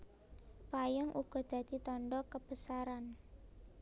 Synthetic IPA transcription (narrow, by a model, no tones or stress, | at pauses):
pajɔŋʔuɡ̥ɔ̤d̪̥ä̤d̪̥i̤t̪ɔɳɖɔkəb̥əsaɾan